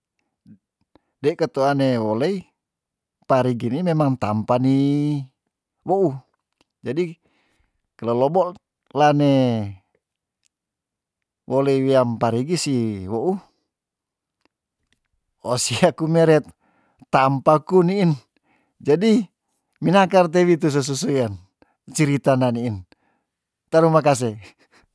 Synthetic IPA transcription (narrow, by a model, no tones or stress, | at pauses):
daikat̪uanewɔlɛi | paɾiɡinimɛmaŋt̪ampani | wɔʔu | d͡ʒadi | kalolɔbɔʔ | lane | wʔɔlɛiwiampaɾiɡisiwɔʔu | ɔsiakumɛɾɛt̪̚ː | ampakuniːn | d͡ʒadi | minakart̪̬ɛwit̪̬us̬ɔs̬usujan | t͡ʃiɾit̪ananiːn | t̪aɾumakas̬ɛ